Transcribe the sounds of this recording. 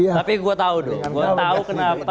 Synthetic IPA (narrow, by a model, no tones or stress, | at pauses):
apiɡuat̪audo̰ɡuat̪aukənap